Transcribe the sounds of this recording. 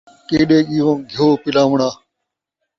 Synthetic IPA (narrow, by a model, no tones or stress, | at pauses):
keːɗeːɠiːʋõːɡʱjoːpɪlaːʋɳaː